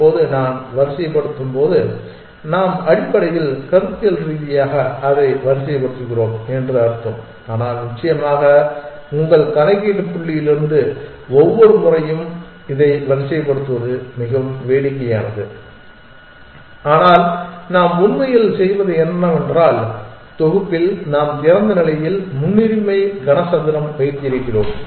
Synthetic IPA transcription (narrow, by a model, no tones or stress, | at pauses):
oːðɯnaːnʋɐɾɪsɐjɐpːɐɽɯt̪ːɯmpoːðɯ | naːmɐɽɪpːɐɽɐɪɣɪlkɐɾɯt̪ːɪjɐlɾiːðɪjaːɣɐɐðɐɪʋɐɾɪsɐjɐp̬ːɐɽɯt̪ːɯɣɪroːmɛndrɯɐɾɯt̪ːɐm | aːnaːlnɪt͡ʃːɐjɐmaːɣɐ | ʊŋɡɐɭkɐnɐɪkːeːʈːɯpːʊɭːɪjɪlɪɾɯnd̪ɯ | ɔʋːɔɾɯmʊrɐjɯm | ɪðɐɪʋɐɾɪsɐjɐpːɐɽɯt̪ːɯʋɐðɯmɪɣɐʋʋeːɽɪkːɐjaːnɐðɯ | aːnaːlnaːmʊnmɐjɪlsɛjʋɐðɯɛnːɐmɛndraːl | t̪ɔɣɯpːɪlnaːmt̪ɪɾɐnd̪ɐnɪlɐjɪlmʊnːɪɾɪmɐɪɡɐnɐsɐnd̪ɪɾɐmʋɐɪt̪ːɯjɪɾɯkːɪroːm